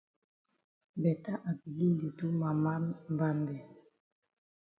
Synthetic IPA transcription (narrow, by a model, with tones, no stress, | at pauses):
bɛ˨ta˦ʔa˨bi˨li˦ndi˨tu˦ma˨ma˦mba˦mbɛ˨